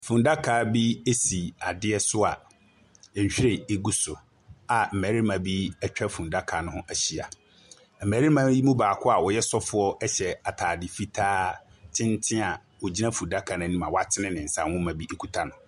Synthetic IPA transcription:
fũ˨nda˦kʰaː˨˦bi˦e˦si˨a˨dɪ˦ɛ˦sʊ˦a˨ | ɛ˨ɲ˨ɕᶣi˦ɾe˨e˦ɡu˦sʊ˨ | a˨m̩˨mæ˨ɾi˦mã˨bi˦ɛ˦t͡ɕᶣɛ˦fũ˨nda˦kʰaː˨nʊ̃˦hʊ̃˦ʔæ˨ɕi˨a˨ | m̩˨mæ˨ɾi˦mã˦bi˦mũ˦baː˨kʰʊ˦a˨wɔ˨jɛ˦sɔ˦fʊ˦ɔ˦ɛ˦ɕɛ˨a˨tʰaː˨di˨fi˦tʰaː˦ | tʰɪ̃˦ntʰɪ̃˦a˨ | wo˨d͡ʑi˦nã˦fũ˨da˦kʰa˨nʊ̃˨˦nĩ˦mã˨wa˦˨tʰɪ˦nɪ̃˦nɪ̃˨n̩˨sã˦˨hʊ̃˦mã˨bi˦e˦kʰu˦tʰa˦nʊ̃˨

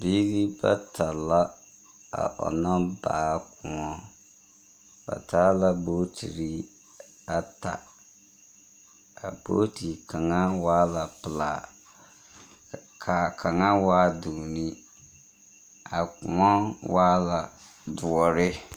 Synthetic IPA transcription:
bi˦ɡi˦ba̰˦tʰa˨la˦ | a̰˨ʔɔ̰˨na˦ba̰ː˨kʊ˨ŋɔ˦ | b̥a̰˨ta˦la˦bo˦tʰḭ˨ɾi˦ | a˦ta̰˨ | a˨bo̰˦ti˨ka˨ŋa˦waː˦la˨pɨ˨laː˨ | kʰa˨kʰa˨ŋa˦waː˦du˨ni˦ | a˨kʊ̰˨ŋɔ˦waː˦la˨ | du˨ɔ˨ɾɪ˦

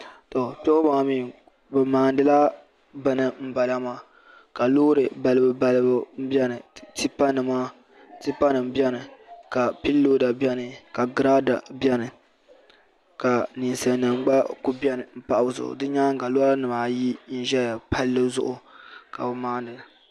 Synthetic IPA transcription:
tɔ˨pɛ˦ʊ˦ba˨miː˦ | bɨ˨maː˨ndɨ˨la˦ | bɨ˦nɨ˨m̩˦ba˨la˦maː˦˨ | ka˨loː˦ɾɨ˨ba˨lɨ˦bɨ˦ba˨lɨ˦bɨ˦m̩˦bɛ˦nɨ˨ti˦pa˦nɨ˨maː˦ | ti˦pa˦nɨ˨m˦bɛ˦nɨ˨ka˨pi˦lːoː˦da˨bɛ˦nɨ˨ka˨ɡɾa˦da̰˨bɛ˦nɨ˨ | ka˨ni˨n˨sa˨nɨ˨ŋ͡mɡ͡ba˦ku˦bɛ˦nɨ˨m̩˦pa˦ʔa˦zʊ̰˨ʔʊ̰˨dɨ˦ɲaː˦ŋ˦ka˨loː˦ɾa˦nɨ˨maː˨ji˦n̩˦ʒɛ˦a˨pa˦lːɨ˦zʊ̰˦ʔʊ˨ka̰˨bɨ˨maː˦n˦dɨ˨

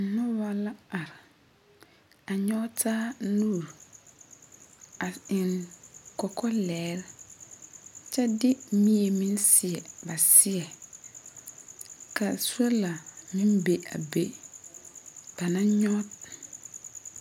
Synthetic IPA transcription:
nʊ˦wa˨la˦a˨ɾɪ˨ | a˨ɲɔ˦tʰaː˦nuː˦˨ɾ | a˨ɪ˨ŋkɔ˨kʰɔ˦lɛː˨˦ɾ | t͡ʃɛ˦dɪ˦mi˦e˨mĩ˦nsɪ˨ɛ˨ba˨sɪ˦ɛ˨ | ka˨su˦a˦la˨mɪ˦nbe˨a̰˨be˨ | b̥a˨nã˦ɲɔ˦t

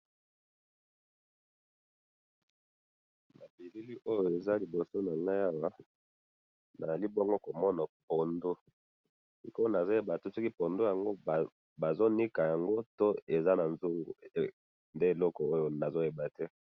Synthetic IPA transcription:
na˨bi˨li˦li˦ʔo˦jo˨e˨za˦li˨bo˨so˦na˨ŋɡa˦ja˦wa˦ | na˨za˨li˦bo˦ŋɡo˦ko˨mɔ˦na˨po˨ndo˦ | i˨ko˦o˦na˨zo˦e˦ba˨to˦sɔ˦ki˦po˨ndo˦ja˨ŋɡo˦˨ | ba˨zo˦ni˦ka˨ja˨ŋɡo˦to˦e˨za˦na˨nzo˦ŋɡṵ˨ | nde˦e˨lɔ˦kɔ˨o˦jo˨na˨zo˦e˨ba˨tɛ˦

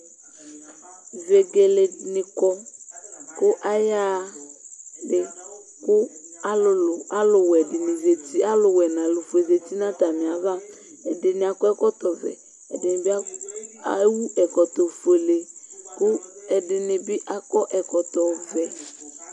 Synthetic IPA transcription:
ve˨ɡe˨le˨nɪ̃˨kɔ˦ | kʊ˦ʔa˦ja˦ | ɖɪ˨ | kʊ˦a˦lʊ˨lʊ˨a˦lʊ˨wɛ˨ɖɪ˨nɪ̃˨ze˨t̪i˦a˦lʊ˨wɛ˨nã˨lʊ˨fo˨e˨ze˨t̪i˦nã˦t̪a˨mĩ˨a˨va˦ | ɛ˨dɪ˨nɪ̃˨a˨kɔ˦ɛ˦kɔ˦t̪ɔ˨vɛ̰˨ | ɛ̰˨dɪ˨nɪ̃˨bi˦a˦a˦wu˦ʔɛ˨kɔ˨t̪ɔ˨fo˨le˨kʊ˦ɛ˨ɖɪ˨nɪ̃˨bi˦ʔa˦kɔ˦ʔɛ˨kɔ˨t̪ɔ˨vɛ˨

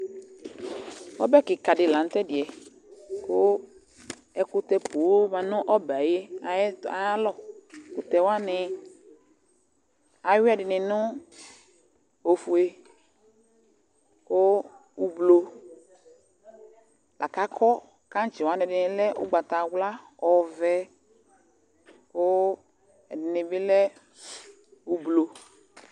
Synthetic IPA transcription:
wɔ˦bɛ˦˨kɪ˨ka˨dɪ˨lã˨n˦t̪ɛ˦dɪ˨ɛ˨ | ko˦ | ɛ˦kʊ˦t̪ɛ˨po˨˦mã˨nʊ̃˦ʔɔ˦bɛ˨a˨je˦a˨˦a˨a˦lɔ˦˨kʊ˨t̪ɛ˨wa˦nɪ˨ | a˨˦wi˦a˨dɪ˨nɪ̃˨nʊ̃˦ | o˨fu˨e˨ | o˦ | u˨blo˨ | lʔa̰˨ka˦kʰɔ˦ | kã˦n˦t͡ʃi˨wa˦nɛ˨dɪ˨nɪ̃˨lɛ˦o̰˦ɡ͡ba˨t̪a˨wla˦ɔ˨vɛ˦ | ko˦ | ɛ˨dɪ˨nɪ˨bɪ˦lɛ˦ | wu˨blo˨

